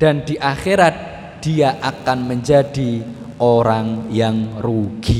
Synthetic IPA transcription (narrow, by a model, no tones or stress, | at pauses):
d̥and̥iʔaxeɾat̪̚ | d̥iaʔakanməɲd͡ʒad̥i | oɾaŋjaŋruɡ̥i